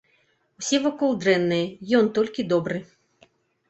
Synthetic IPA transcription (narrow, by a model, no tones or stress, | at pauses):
wsʲɛvɔkɔlˠd̪ɾɛnːɨjɛjɔnt̪ɔlʲkʲid̪ɔbɾɨ